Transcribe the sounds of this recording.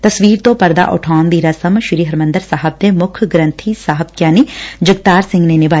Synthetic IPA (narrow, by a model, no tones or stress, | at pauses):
t̪ɐsʋiːɾt̪õːpɐɾd̪a̰ʔʊ̰ʈʰaːnd̪iːɾɐsəmʃɪɾiːɦɐɾmɐ̃nd̪əɾsaːɦəb̚d̪emʊkʰɡɾə̃nt̪ʰisaːɦəb̚kjaːnid͡ʒəɡ̚t̪aːɾsɪ̃ŋɡnenɪbaː